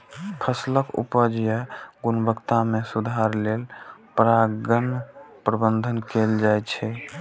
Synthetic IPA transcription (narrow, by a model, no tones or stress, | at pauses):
pʰəsləkṵpəd͡ʒjəɡunbəkt̪amesud̪ʱaɾlelpɾaɡənpɾəbənd̪ʱənkeld͡ʒajt͡ʃʰɛ